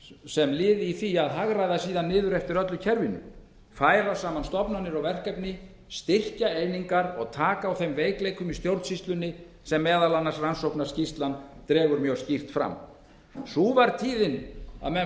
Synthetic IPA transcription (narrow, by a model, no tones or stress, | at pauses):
sɛmlɪːðiθiaðɦaɣɾajðasiːðanːɪːðʏɾɛft̪ɪɾœt̪lʏcʰɛɾvɪnʏ̰ | faːjɾasaːmanst̪ɔpnanɪɾɔɣvɛr̥kɛpnɪ | st̪ɪr̥caejniŋkaɾɔ̰ɣt̪ʰaːkaːwθejmveːjklejkʏmist̪jowɾt̪sist̪lʏnːɪ | sɛmːɛːðalanːaɾsransowhknaɾ̥scist̪lant̪ɾɛːvʏɾmjœɣscir̥t̪fɾa̰mː | suvaɾt̪ʰiːðɪna̰ðmɛ